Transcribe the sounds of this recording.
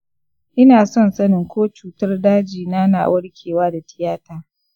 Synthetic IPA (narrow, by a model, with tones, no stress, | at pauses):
ʔɪ˦naː˨sɔ˦˨nsɐ˦nɪ˨ŋkʷoː˦t͡ʃuː˨tɐ˦rdaː˦d͡ʒiː˨naː˦na̰ː˨wʔɐ˦ɽkʲʰeː˨waː˦da˨tɪ˦jaː˦taː˦